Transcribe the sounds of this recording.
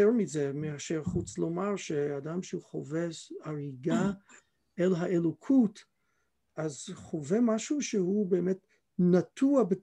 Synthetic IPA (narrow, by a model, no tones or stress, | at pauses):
eʁmizemeaʃeʁχut͡slomaʁʃeadamʃeuχoveʃaʁiɡa | elɦaʔelokʰut | ʔazχovemaʃuʃehubeːmet | natʰuabe